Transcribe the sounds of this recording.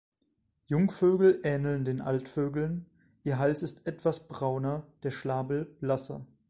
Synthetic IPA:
jʊŋføːɡl̩ʔɛːnl̩ndeːnʔa̰ltføːɡl̩n | ʔiːɐɦalsɪstʔɛtv̥asb̥ʁaʊnɐd̥eːɐʃlaːbl̩b̥lasɐ̰

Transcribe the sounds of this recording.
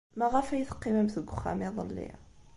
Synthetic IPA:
mæʁæfæjəθə̥qːimæmθəɡʷʊxːæ̰miðˤə̰lːḭ

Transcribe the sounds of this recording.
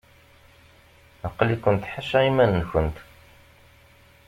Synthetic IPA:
əqːlikʷːənt̪ħaʃæimænːçənt̪

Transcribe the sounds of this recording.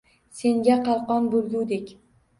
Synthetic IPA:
se̞ŋɡʲaqʰɑlˠqɒnbolˠɡʲud̪ekʲ

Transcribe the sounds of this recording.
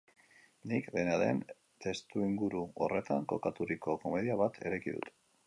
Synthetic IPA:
nikde̞naðe̞̰n | t̪e̞st̪uiŋɡuɾuore̞t̪aŋko̞kat̪uɾiko̞ko̞me̞ðiaβat̪ʰe̞ɾekiðṵt̪

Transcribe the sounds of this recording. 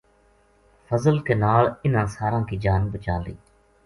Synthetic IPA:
fʰəzəlkeːnaːɭɪnãːsaːɾãːkiːd͡ʒaːnbət͡ʃaːlḭː

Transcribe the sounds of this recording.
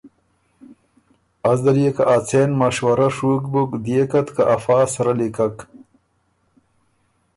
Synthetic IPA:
ɐzd̪ɐlijekaʔat͡seːnmɐʂwɐɾaʂuːkbukd̪ijekɐt̪kaʔafaːsɐɾalikɐk

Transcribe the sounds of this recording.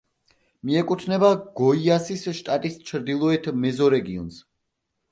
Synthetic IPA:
miɛkʼut̪ʰnɛbaɡ̥ɔiasisʃt̪ʼat̪ʼist͡ʃʰɾd̪ilˠɔɛt̪ʰmɛzɔɾɛɡiɔns

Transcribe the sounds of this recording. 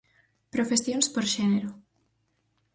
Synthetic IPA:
pɾofesjonspoɾʃɛneɾo

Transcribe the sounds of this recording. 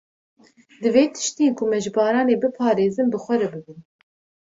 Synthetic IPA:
d̪ɨveːt̪ʰɨ̥ʃt̪eːnkʰʊmɛʒɨbɑːɾɑːneːbɨpʰɑːɾeːzɨnbɨxʷɛɾɛbɨbɨn

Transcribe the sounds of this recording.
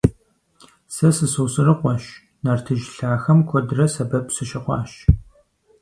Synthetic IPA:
sɐsɨsoːsɨrɨqʷɔʃ | nɐrtʰɨʒɬaːxɐmkʷʰɔdɨrɐsɐbɐpsɨʃɪqʷɑ̰ːʃ

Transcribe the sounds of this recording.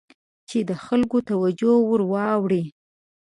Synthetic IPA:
t͡ʃed̪əxalkot̪awad͡ʒowʊɾwɑwɽi

